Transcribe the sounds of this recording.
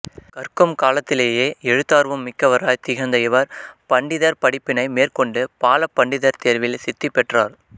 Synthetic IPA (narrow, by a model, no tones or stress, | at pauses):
kɐɾkɯmkaːlɐt̪ːɪleːjeːɛɻɯt̪ːaːɾʋɐmːɪkːɐʋɐɾaːjt̪ɪɣɐnd̪ɐjɐʋɐɾpɐɳɖɪðɐɾpɐɽɪpːɪnɐɪmeːrkɔɳɖɯpaːlɐpːɐɳɖɪðɐɾt̪eːɾʋɪlsɪt̪ːɪpːɛʈraːɾ